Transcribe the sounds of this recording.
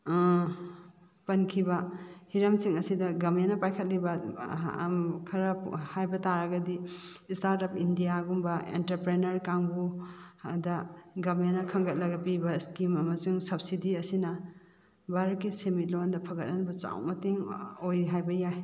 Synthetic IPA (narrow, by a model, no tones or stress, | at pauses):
pɐnkʰibɐhiɾɐmsiŋɐsidɐɡɐmjenɐpajkʰɐt̚libɐ | kʰɐɾɐhajbɐtaɾɐɡɐdistaɾtɔpʰindijaɡumbɐḛntɐɾpɾenɐɾkaŋbu | dɐɡɐmjanɐkʰɐŋɡɐt̚lɐɡɐpibɐskimɐmɐsiŋsɐbsidiɐsinɐ | baɾɐkːisemit̚londɐpʰɐɡɐt̚anbɐt͡ʃa̰wmɐteŋojɾiɦajbɐjaj